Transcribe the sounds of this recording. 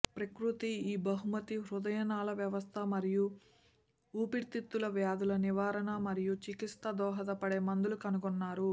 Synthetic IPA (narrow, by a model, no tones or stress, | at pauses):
pɾɐkɾut̪iiːbɐɦumɐt̪iɾud̪ɐjɐnaːlɐʋjɐʋɐst̪ʰɐmɐɾiju | uːpiɾt̪it̪ːulɐʋjaːd̪ulɐniʋaːɾɐnɐmɐɾijut͡ʃikist̪ɐd̪ɔːɦɐd̪ɐpɐɽeːmɐnd̪ulukɐnuɡɔnːaːɾu